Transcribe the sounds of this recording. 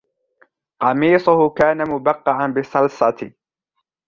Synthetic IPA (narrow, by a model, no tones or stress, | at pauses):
qɑmiːsˤʊhʊkaːnamʊbɑqːɑʕanbɪsˤɑlsˤɑt̪